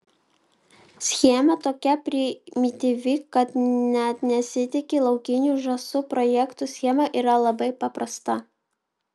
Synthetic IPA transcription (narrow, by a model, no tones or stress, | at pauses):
sʲxʲiɛmɐt̪oːkʲɛpʲɾʲɪmʲɪt̪ʲiʋʲɪkɐt̪nʲɛt̪nʲɛsʲɪt̪ʲɪkʲɪlˠɐʊkʲɪnʲuːˑʒɐsʊpɾɔjɛkt̪uˑsʲxʲiɛmɐʔiːɾɐlˠɐbɐɪpɐpɾɐst̪ɐ